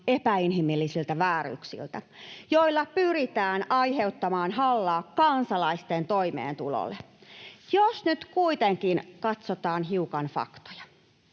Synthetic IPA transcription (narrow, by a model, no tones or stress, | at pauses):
epæinɦimilːisilt̪æʋæːɾy̰ksḭlt̪æ | jo̞ilːɑpyɾit̪æːnɑihe̞ut̪ːɑmɑːnhɑlːɑːkːɑnsɑlɑist̪ent̪oimḛːnt̪ulo̰lːe | josnyt̪kuit̪eŋkinkɑt̪sot̪ɑːnɦiukɑnfɑ̰kt̪o̥jɑ̥